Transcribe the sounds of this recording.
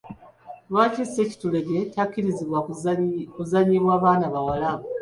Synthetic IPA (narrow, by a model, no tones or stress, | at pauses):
lwaːcise̞ːci̥tule̞ɡe̞cakːiɾiziβwa | kuzaɲiβwaːβaːnaβawalaβo